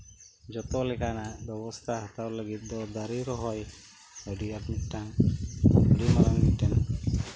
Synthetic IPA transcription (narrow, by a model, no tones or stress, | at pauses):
d͡ʒɔt̪ɔlɛkanabɔbɔst̪ʰaɦat̪awləɡit̪̚ˀd̪ɔd̪aɾiɾɔɦɔj | ɔɖiapniʈaŋ | ɔɖimaɾaniʈɛn